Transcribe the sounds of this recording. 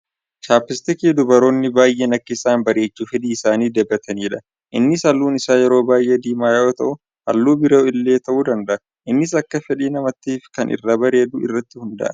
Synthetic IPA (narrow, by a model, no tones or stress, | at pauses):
t͡ʃaːpːɪst̪ɪkiːd̪ʊbɐɾo̞ːnːɪbaːjʔeːnɐkːɐɪsaːnbɐɾe̞ːt͡ʃːuːfɛᶑ̪iːɪsaːniːd̪ɛbːɐt̪ʰɐniːᶑɐ | ʔɪnːɪsɐlːuːnɪsaːjɛɾo̞ːbaːjʔeːd̪iːmaːjɐʔot̪ɐ̰ʔʊ | ʔɐlːuːbɪɾoːɪlːe̞ːt̪ɐʔuːd̪ɐnd̪ɐʔɐ | ʔɪnːɪs̬ɐkːɐfɛᶑiːnɐmɐt̪ːiːfkɐnʔɪ̰rːaːbɐɾe̞ːd̪uɪ̰rːɐt̪ːɪhʊnd̪ɐ̰ʔɐ̰